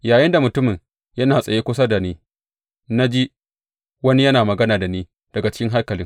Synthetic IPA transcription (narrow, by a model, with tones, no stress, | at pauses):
jaː˨jɪ˦nda˨mʊ˨tʊ˦mɪ˨ŋ | jɐ˦naː˨sʼɐ˨jeː˦kʷʊ˦s̬a˦da˨niː˦ | na˦d͡ʒi˦ | wɐ˦ni˦jɐ˦naː˨mɐ˨ɡɐ˦naː˨da˨niː˦ | d̥ɐ˨ɡa˨t͡ʃɪ̥˦kʲɪ˦ŋɦa˦rkɐ˨lɪ˦ŋ